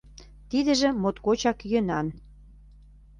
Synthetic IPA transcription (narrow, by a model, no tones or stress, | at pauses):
t̪id̪ə̆ʒĕmot̪kot͡ɕɑkjønɑn